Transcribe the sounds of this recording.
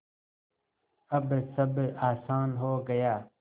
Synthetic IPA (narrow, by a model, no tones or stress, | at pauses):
ɐbsɐbaːsaːnɦoːɡɐjaː